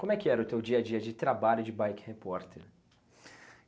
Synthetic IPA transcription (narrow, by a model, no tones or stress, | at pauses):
komɛkːiɛːɾɐʊt̪ewd͡ʒiːɐd͡ʒiːɐd̪it̪ɾɐbalːud͡ʒ̪ɪbajkhepɔɾt̪eɾ